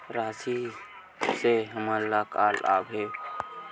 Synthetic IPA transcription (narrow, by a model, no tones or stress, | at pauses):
ɾaːsi | seɦəməɾlaka̰la̰bɦe